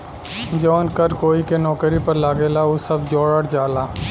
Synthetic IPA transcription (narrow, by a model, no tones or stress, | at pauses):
d͡ʒɔːnkəɾkoːikenɔːkɾipəɾlaːɡeːlaosɐbd͡ʒoːɽəɽd͡ʒaːlaː